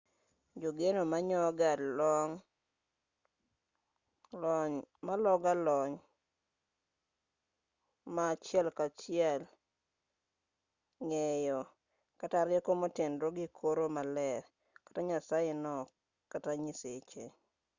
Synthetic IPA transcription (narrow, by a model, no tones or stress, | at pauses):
d͡ʒoɡenomaɲɔɡadlɔŋ | malɔɡalɔɲ | maːt͡ʃjɛlkat͡ʃɪɛl | ŋɛjɔ | kataɾɪɛkomotendɾoɡikʰoɾomalɛɾ | kḁtaɲasajenɔ | kataɲiset͡ʃe